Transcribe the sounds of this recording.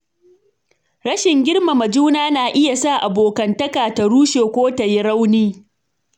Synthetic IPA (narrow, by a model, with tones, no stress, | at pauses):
ɾɐ˦ʃɪ˨ŋɡʲɪ˦ɽma˨mɐ˨d͡ʒuː˦naː˦naː˨ʔɪ˦ja˨sa˦˨ʔa˨boː˨kɐ˨ntɐ˦kaː˨tɐ˨ɽuː˦ʃeː˨kʷoː˦ta˨ji˦ɽa˦wniː˦